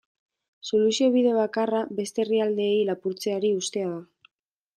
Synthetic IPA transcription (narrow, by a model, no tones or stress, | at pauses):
so̞lusio̞β̞iðe̞β̞akarabe̞st̪e̞riald̪e̞ːjlapuɾt͡se̞aɾiust̪e̞aða